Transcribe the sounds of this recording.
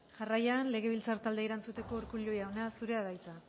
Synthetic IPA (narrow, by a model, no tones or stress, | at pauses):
ʝarajanle̞ɣ̞e̞βilt͡saɾt̪ald̪eiɾant͡sut̪e̞ko̞uɾkulojaonasuɾe̞aðajt͡sa